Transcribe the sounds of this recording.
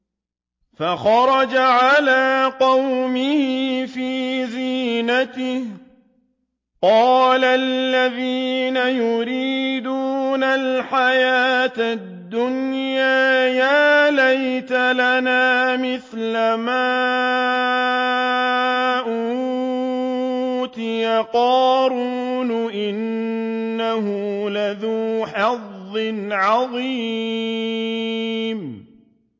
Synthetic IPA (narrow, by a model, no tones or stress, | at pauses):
faxɑɾˤɑd͡ʒaʕalaːqɑwmɪhɪfiːziːnat̪ɪh | qɑːlalːaðiːnajʊɾiːd̪uːnalħajaːt̪ad̪ːʊnjaːjaːlajt̪alanaːmɪθlamaː | ʔu | t̪ɪjaqɑːɾuːnʊʔɪnː | aɦʊlaðuːħɑðːɪnʕɑðˤiː | m